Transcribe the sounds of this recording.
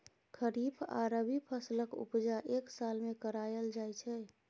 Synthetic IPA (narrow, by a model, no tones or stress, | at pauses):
kʰəɾipʰa̰ɾəbʱipʰəsləkṵpd͡ʒaʔeksalmekəɾajəld͡ʒajt͡ʃʰɛ